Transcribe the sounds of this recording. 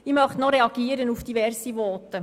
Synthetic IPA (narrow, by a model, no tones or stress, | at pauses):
ɪmœχtnɔɾɛɑɡ̥iːəɾənufd̥ivɛrsivɔːtə